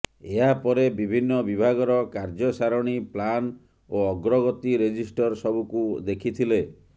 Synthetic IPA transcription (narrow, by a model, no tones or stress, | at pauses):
eɦapɔɾebibʱinːɔbibʱaɡɔɾɔkaɾd͡ʒɔsaɾɔɽ̃iplan | oɔɡɾɔɡɔt̪iɾed͡ʒisʈɔɾsɔbukud̪ekʰit̪ʰile